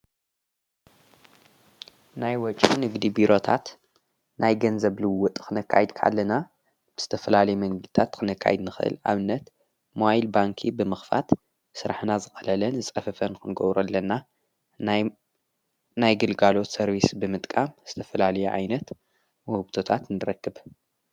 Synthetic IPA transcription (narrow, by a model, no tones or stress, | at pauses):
najwɔt͡ʃʼinɨɡd̪ibiɾʔo̞t̪ʰa̰t̪ | najɡɐnzɐβlɨwːʊt̪ʼkɨnɨkʰːa̰jɨd̪kʰʔa̰lːɐna | b̥ɨz̥ɨt̪ʰɐfɐlalɐjumɐŋɡɨzt̪ʰat̪kʰɨnɨkʰːa̰jɨd̪nɨxʔɨ̰lʔa̰βɨnːɐt̪ | moajilbaŋkʰibɨmɨxfa̰t̪ | sɨɾaħnazɨxʼɐlɐlɐnzɨt͡sʼɐfɐfɐnɨkɨnɡoβɾuɐlːɐnːa | najɡɨlɡalo̞t̪sɐɾβisbɨmɨt̪ʼkʼamz̥ɨt̪ʰɐfɐlalɐjuʕa̰jnɐt̪ | muhɨbt̪ʰot̪ʰat̪nɨɾɐkːɨb